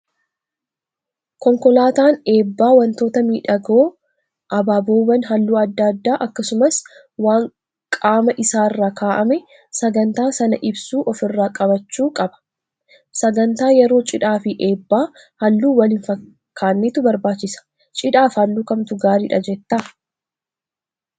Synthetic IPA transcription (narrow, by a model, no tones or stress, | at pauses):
kɔŋkɔlaːt̪aːne̞ːbːaːwɐnt̪o̞ːt̪ɐmiːᶑɐɡoː | ʔɐbaːboːbɐnɦɐlːuːɐd̪ːɐd̪ːaːʔɐkːɐsʊmɐs | waːŋ | kʼaːmɐʔɪsaːɪrːaːkʰaːʔɐmɛ | sɐɡɐnt̪aːsɐnɐʔɪbsuːʔɔfɪrːaːkʼɐbɐt͡ʃːuːkʼɐbɐ̥ | sɐɡɐnt̪aːjɛɾo̞ːt͡ʃʼɪᶑaːfɪʔe̞ːbːaː | hɐlːuːwɐlɪnfɐ | kʰːaːnːeːt̪ʊbɐɾbaːt͡ʃːɪsɐ̥ | t͡ʃʼɪᶑaːfhɐlːuːkɐmt̪ʊɡaːɾiːᶑɐd͡ʒɛt̪ːɐ